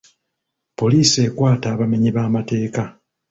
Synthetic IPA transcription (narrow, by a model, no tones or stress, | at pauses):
po̞liːsie̞kwaːtaːβame̞ɲiβaːmate̞ːka